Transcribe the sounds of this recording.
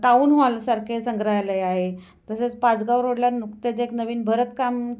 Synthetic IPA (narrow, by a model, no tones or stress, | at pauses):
ʈauːnɦoalasaɾkʰesəŋɡɾajləjaɦe | t̪əset͡spat͡sɡaʋɾoɽljanukt̪et͡seknəʋiːnbʱəɾət̪kam